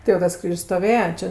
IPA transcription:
tʲɪ jɛʊ ˈtɐs ˈkrʲiːʃʲsʲ stoːˈʋʲeːjɛ ˈt͡ʃʲɛ

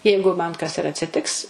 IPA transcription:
ˈjɛɪɡʊ mɐn kɐs ɪr ɐtʲsʲɪˈtʲɪks

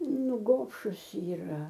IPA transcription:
ˈnʊ ˈɡoːpʃʊs iːˈrɐ

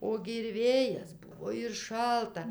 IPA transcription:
ˈoːɡʲɪ ɪr ˈʋʲeːjɛs ˈbʊʋoː ɪr ˈʃɐlˠtɐ

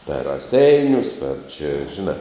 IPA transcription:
pʲɛr rɐˈsʲɛɪnʲʊs pʲɛr t͡ʃʲɛ ʒʲɪˈnɑː

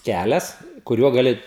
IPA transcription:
ˈkʲælʲɛs kʊˈrʲuɔ ɡɐˈlʲɪ

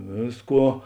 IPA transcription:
ˈʋʲeːsˌkuɔ

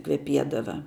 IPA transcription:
kʋʲɛˈpʲiɛdɐʋɐ

